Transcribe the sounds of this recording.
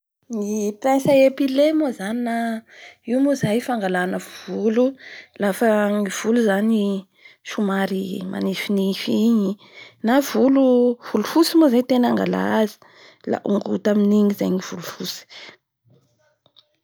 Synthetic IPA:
nipɛnsəepilemozaninaimozajfaŋɡalanəvululafəŋiv̥uluzani | ʃumaɾima̰nifinifiɲi | nav̥uluv̥ulufusimozait̪enaŋɡa̰la̰azi̥ | la̰ʔuŋɡut̪aminiŋizajŋiv̥ulufusi̥

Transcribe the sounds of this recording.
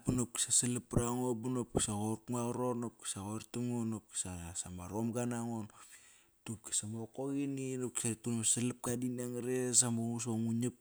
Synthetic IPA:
punop̚ki̥saselipɾaŋobunop̚ki̥saɣoɾkŋaɣɾonop̚ki̥saɣoɾtuŋonop̚ki̥sasamaɾomɡanaŋon | tup̚ki̥samokoɣininop̚ki̥satunmaselap̚kadiniaŋɾes̬amoŋus̬oŋuɲip̚

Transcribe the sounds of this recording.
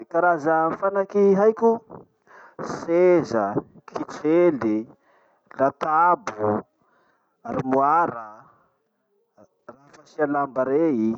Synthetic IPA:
kaɾazafanakiɦajkʲu | sezə | kʰit͡seli | lat̪abu | aɾimuaɾə | raɦfasialambaɾei

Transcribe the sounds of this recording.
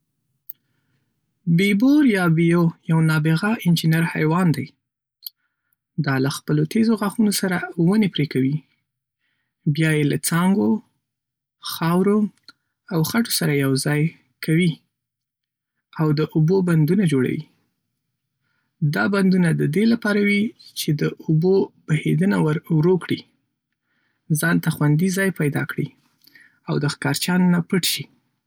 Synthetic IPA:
beboɾjɑbijojawnɑbeɣaʔɪnd͡ʒɪnaɾhajwɑnd̪aj | d̪ɑlaxpəlot̪ʰezoɣaxunosaɾawənepɾekawi | bjɑjelat͡sɑŋɡo | xɑwɾo | awxaʈo̥saɾajawzɑj | kʰawi | awd̪əʔoboband̪unad͡ʒoɽa̰wḭ | d̪ɑband̪unad̪əd̪elapɑɾawit͡ʃed̪əubob̥ahed̪ənawaɾwɾokɽḭ | zɑnt̪axwand̪izɑjpajd̪ɑ̰kɽḭ | awd̪əxkɑɾt͡ʃɑnnapəʈʃi

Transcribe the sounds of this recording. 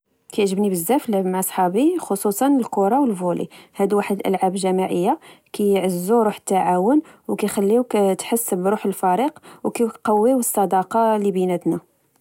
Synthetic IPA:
kæjʕʒəbnibəzːæflmʕsˤħɑbixosˤusˤɑnəlkʊɾˤɑwəlvulḭhæd̪waħəd̪əlʔə̰lʕabʒæmaʕəjːakæjʕəzːuɾuħə̥t̪ːaʕawʊnwkæjxælːiwkt̪ħəsːbɾuħəlfæɾiqwkæqɑwːiwəsˤːɑd̪ɑqɑlibinæt̪næ

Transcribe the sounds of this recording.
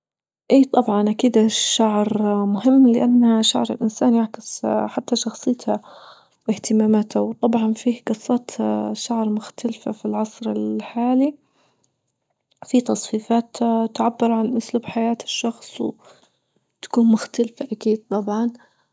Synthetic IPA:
ʔeːt̪ˤɑbʕɑnʔakiːd̪aʃaʕɾmʊɦɪmːlɪʔanːaʃa̰ʕɾɪ̰lʔɪnsaːnjaʕkɪsħat̪ːaʃɑxsˤɨːt̪ʰa | wɪht̪ɪmaːmat̪ʰawt̪ˤɑbʕɑnfiːhɡɨsˤːɑːt̪ʃaʕɾmʊxt̪alfafilʕɑsˤɾɪ̰lħaːli | fit̪ɑsˤfiːfaːt̪t̪ʕabːɪɾʕanʔʊsluːbħajaːt̪ɪ̥ʃːɑxsˤw | t̪ḁkuːnmʊxt̪alfaʔakiːd̪̥̚t̪ˤɑbʕɑn

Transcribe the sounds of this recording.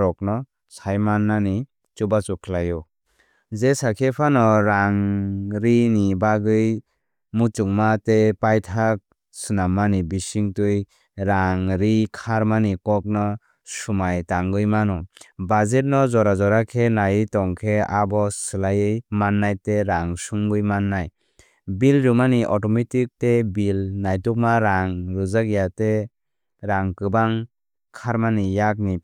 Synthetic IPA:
ɾɔk̚nɔ | sajmanːani | t͡ʃubat͡ʃukʰlajɔ | zesakʰepʰanɔɾaŋɾinibaɡɯj | mut͡ʃuŋmatepajtʰak̚ | sɯnamːanibisiŋtɯj | ɾaŋɾikʰaɾmanikɔk̚nɔ | sumajtaŋɡɯjmanɔbazet̚nɔzɔɾazɔɾakʰenajɯtɔŋkʰeabɔsɯlajɯjmanːajteɾaŋsuŋɡɯjmanːaj | bilɾumaniʔɔtɔmetik̚tebilnajtuk̚maɾaŋɾɯzakjate | ɾaŋkɯbaŋ | kʰaɾmanijak̚ni

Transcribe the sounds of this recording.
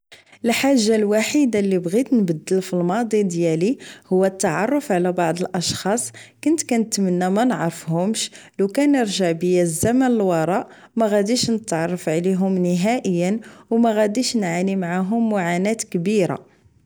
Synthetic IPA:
ʔəlħaʒːalwaħid̪alːibɣit̪nbəd̪ːəlfilmɑd̪ˤid̪jælihʊwːæt̪ːɑʕɑrˤːəfʕlæbɑʕd̪ˤəlʔɑʃxɑsˤkʊnt̪kænət̪ːmənːæmænʕɾˤəfhʊmʃlukænəɾʒəʕbəjæzːæmənəlwɑɾˤɑʔ | mæɣæd̪iʃnət̪ːʕɑrˤːɑfʕliɦʊmnəɦæʔəjːənwmæɣæd̪iʃnʕanimʕaɦʊmːʊʕanæt̪kbiɾa̰

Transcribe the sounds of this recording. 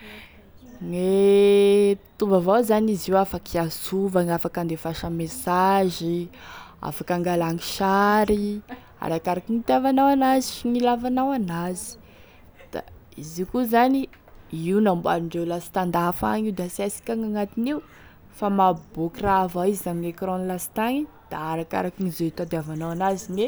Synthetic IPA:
ne | t̪uvavazaniziwafakiasuvaŋafakand̪efaʃamesaʒi | a̰fakaŋɡalaŋi̥ʃaɾi | a̰ɾakaɾakinit̪iavanawanaziʃiŋilavanawanazi̥ | d̪̥a̰ | izikuzani | iunambua̰ɾiɳɖ͡ʐewlasi̥t̪and̪aɦfa̰ŋiwd̪asasi̥kʲaŋaŋat̪iniu | famabokiraavaizizaŋiekrɔnlasi̥t̪aŋi | d̪̥aaɾaka̰ɾakinizeit̪ad̪eavanawanazine

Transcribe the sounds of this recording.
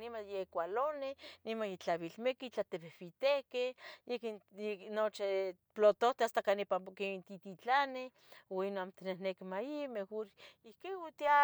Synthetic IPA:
nimajekʷalonenimanjet͡ɬaβilmekit͡ɬat̪eβehβit̪ekejekinot͡ʃe | plot̪oht̪east̪akanipakeint̪it̪it͡ɬane | oinoamt̪enehnekimaimexoɾihkeut̪ia

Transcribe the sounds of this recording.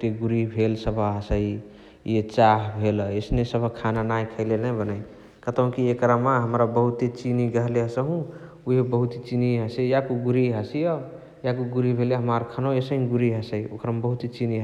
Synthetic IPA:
t̪eɡuɾibʱelsəbʱəɦəsəi | jet͡ʃaɦbʱelesnesəbʱəkʰananajkʰəɪlelnəbənəj | kət̪ə̃kiekɾamaɦəmɾabəɦut̪et͡ʃiniɡəɦleɦəsəɦũ | uɦebəɦut̪it͡ʃiniɦəsejakuɡuɾiɦəsijə | jakuɡuɾibʱeleɦəmaɾkʰənoesəɦimɡuɾiɦəsəio̰kəɾmbəɦut̪et͡ʃiniɦ

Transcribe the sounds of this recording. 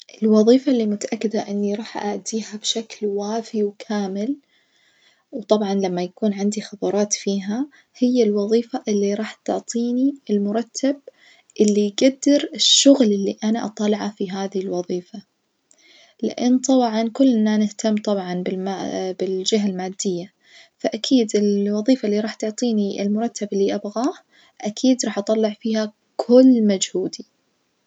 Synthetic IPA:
ʔɪlwɑðˤiːfalːimʊt̪aʔakːɪd̪aʔɪnːiɾˤɑːħʔa̰ʕd̪iːhabʃaklwaːfiwkʰaːmɪl | wt̪ˤɑbʕɑnlamːajakuːnʕɪnd̪ixɑd̪ˤɑɾˤɑːt̪fiːɦa | hɪjːalwɑðˤiːfaʔɪlːiɾˤɑːħt̪ʊʕt̪ˤʰiːniɪlmʊɾˤɑt̪ʰːab̚ | ʔɪlːijɡad̪ːɪɾɪʃːʊɣlʔɪlːiʔanaʔɑ̰t̪ˤɑlɪʕafiɦaːðɪhɪlwɑðˤiːfa | lɪ̰ʔɪnːt̪ˤɑbʕɑnkʊlːɪnːanɪht̪ʰamːt̪ˤɑbʕɑnbɪlmabɪld͡ʒɪɦalmaːd̪ːɪjːa | faʔakʰiːd̪ɪlwɑðˤiːfalːiɾˤɑːħt̪ʊʕt̪ˤiːniʔɪ̰lmʊɾˤɑt̪ʰːabɪlːiʔabɣaːh | ʔakʰiːd̪ɾˤɑːħʔɑt̪ˤːɑlːɪʕfiːha | kʰʊlːmad͡ʒhuːd̪i

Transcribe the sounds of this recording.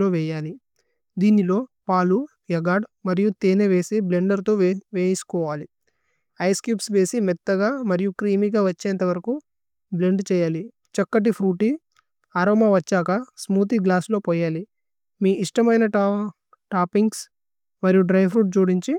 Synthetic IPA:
o̞ːʋɛːjaːli | d̪iːnilo̞ːpaːlu | jɐɡaːɖmɐɾijut̪eːneʋe̞ːsibleɳɖɐɾt̪oːʋeːsu̥kɔːʋaːli | ɐjskjuːpsʋe̞ːsimɛt̪ːɐɡaːmɐɾijukɾiːmiɡaːʋɐt͡ʃːeːnt̪ɐʋɐɾɐku | bleɳɖt͡ʃɛːjaːli | t͡ʃɐkːɐʈ̬ipʰɾuːʈi | aːɾoːmɐʋɐt͡ʃːaːkɐsmuːt̪̬iɡlaːslo̞ːpɔːjaːli | miːʔiʂʈɐmɐjnɐ | ʈaːpiŋɡs | mɐɾijuɖɾɐjpʰɾuːʈ̚t͡ʃuːɽiɲt͡ʃi

